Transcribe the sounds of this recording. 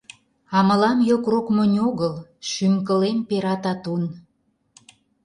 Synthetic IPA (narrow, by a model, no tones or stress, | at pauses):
ɑməlɑmjokrokmənʲoɣəlʃymkə̆lempeɾɑt̪ɑt̪un